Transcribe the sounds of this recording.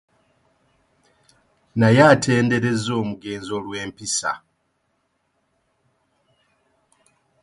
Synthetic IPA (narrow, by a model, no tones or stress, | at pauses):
najatʰe̞ːnde̞ɾe̞zo̞ːmuɡe̞ːnzo̞lwe̞ːmpisa̰